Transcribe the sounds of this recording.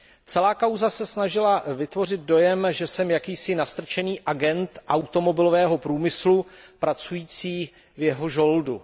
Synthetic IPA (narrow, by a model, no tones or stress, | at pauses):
t͡sɛlaːkawzasɛsnaʒɪlavɪt̪vo̞r̝ɪd̪̚do̞jɛmʒɛsɛmjakiːsɪnast̪r̩t͡ʃɛniːʔaɡɛnt̪ʔawt̪o̞mo̞bɪlovɛːɦo̞pɾuːmɪslupɾat͡sujiːt͡siː | vjɛɦo̞ʒo̞ldu